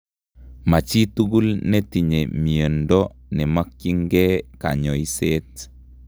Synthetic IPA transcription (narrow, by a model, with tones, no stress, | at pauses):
ma˨t͡ʃi˦tu˦ɡu˦lne˦ti˨ɲe˨mi˨ə˨ndɔ˦nɛ˨ma˦kːi˦ŋɡɛ˦ka̰˨ɲɔ˨i˦se˦t